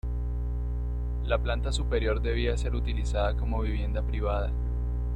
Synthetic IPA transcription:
laplant̪asupe̞ɾjo̞ɾd̪e̞β̞iase̞ɾut̪ilisaðako̞mo̞βiβ̞je̞nd̪apɾiβaða

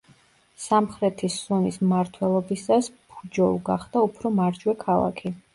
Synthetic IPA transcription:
samχɾɛt̪ʰisɔnismaɾt̪ʰwɛlˠɔbisaspʰud͡ʒɔuɡaχd̪̥aupʰɾɔmaɾd͡ʒwɛkʰalˠa̰kʰi

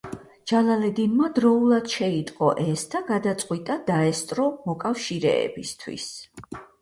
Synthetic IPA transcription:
d͡ʒ̥alˠalɛd̪inmad̪ɾɔulˠad̪̥ʃɛit̪ʼqʼɔ̰ʔɛsd̪aɡad̪at̪sʼqʼwit̪ʼad̪aɛst̪ʼɾɔmɔkʼafʃiɾɛ̰ɛ̰bist̪ʰwḭs

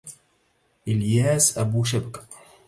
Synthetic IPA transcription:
ʔɪljaːsʔabuːʃ̬abkḁ

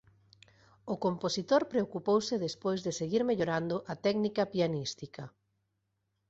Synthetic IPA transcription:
okomposit̪oɾpɾeokupowsɪðespojzðeseɣiɾmeʎoɾand̪ʊʔat̪ɛknikɐpianist̪ikɐ

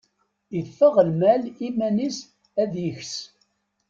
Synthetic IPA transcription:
əfːəʁəlmælimænis | æðjəçs

